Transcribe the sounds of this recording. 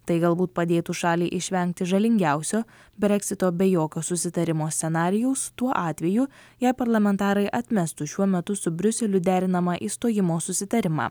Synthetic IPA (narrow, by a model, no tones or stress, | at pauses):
t̪ɐɪɡɐlˠbuːt̪pɐd̪ʲeːt̪uːʃɑːlʲiːʔɪʃʲʋʲɛŋʲk̚t̪ʲɪʒɐlʲɪŋʲɡʲæˑʊsʲoː | bʲɾʲɛkʲsʲɪt̪oːbʲɛjoːkʲoːsʊsʲɪt̪ɐɾʲɪmoːsʲt̪ʲɛnɑːɾʲɪjɛʊst̪uɔʔɑːt̪ʲʋʲɛjujæːpɐɾlˠɐmʲɛnt̪ɑːɾɐɪʔɐt̪ʲmʲɛst̪uʃʲuɔmʲɛt̪ʊsʊbʲɾʲʊsʲɛlʲʊd̪ʲæːɾʲɪnɐmɑʔiːst̪oːjɪmoːsʊsʲɪt̪ɐɾʲɪmɑ̰ː